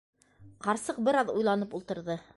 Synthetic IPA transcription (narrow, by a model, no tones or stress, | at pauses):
qɑɾsɤq̚bɘ̆ɾɑðujlˠɑnɤpulˠt̪ɤ̆ɾðɤ